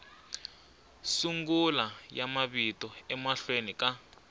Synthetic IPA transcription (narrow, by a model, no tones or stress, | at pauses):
suŋɡulajamaβitɔɛmaɬwenika